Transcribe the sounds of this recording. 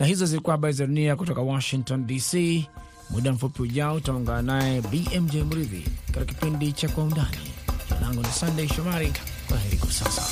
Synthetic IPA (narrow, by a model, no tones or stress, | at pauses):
nahizɔzilikuahaɓaɾizaɗuniakutɔkawɔʃiŋktɔndisi | muɗam̩fupiuʄaɔutauŋɡananaɛbiʔɛmd͡ʒɛjmuɾiðḭkatikakipindit͡ʃakwaundanḭd͡ʒa̰laŋɡunisandejiʃɔmaɾi | kwaɦɛɾḭkwasa̰sa̰